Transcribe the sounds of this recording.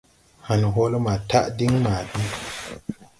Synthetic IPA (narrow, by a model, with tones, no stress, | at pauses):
ha˨nu˨ɦo˦lo˦ma˨ta˦ʔdi˦ŋma˨di˦